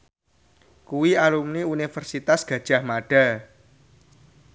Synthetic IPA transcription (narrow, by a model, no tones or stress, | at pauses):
kuwiaɾumniunifərsit̪asɡ̥ä̤d̥ʒ̥a̤hmaɖ̥a̤